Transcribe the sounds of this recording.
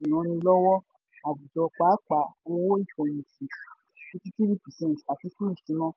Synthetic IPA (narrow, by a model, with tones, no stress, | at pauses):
ĩ˨ɾ̃ã˨˧˦nĩ˧lɔ˦wɔ˦ | a˨bu˨d͡ʒɔ˨˧k͡paː˨˦k͡pa˨˦o˧wo˦i˦˨fɔ̃˨j̃ĩ˨si˨ | i˦˧ti˦ti˦ɾi˦pi˨sɛ̃˦˨ta˨ti˨˧˦ku˦i˦˨tĩ˨˦mɔ̃˦